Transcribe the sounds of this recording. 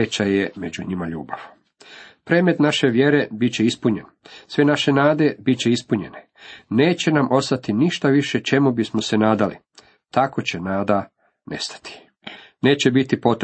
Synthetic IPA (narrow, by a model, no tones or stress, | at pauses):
et͡ɕajemed͡ʑuɲimaʎṵːbaʋ | pɾe̞ːme̞t̪naʃe̞ʋje̞ɾe̞bit͡ɕeispuɲe̞n | sʋe̞naʃe̞naːd̪e̞bit͡ɕe̞ispuɲe̞̰ne | ne̞ːt͡ɕe̞namʔo̞st̪at̪iniʃt̪aʋiʃet͡ʃe̞mubismose̞naːd̪alḭ | t̪ako̞t͡ɕe̞naːd̪a | nest̪ḁt̪i̥ | ne̞ːt͡ɕe̞bit̪ipo̞t̪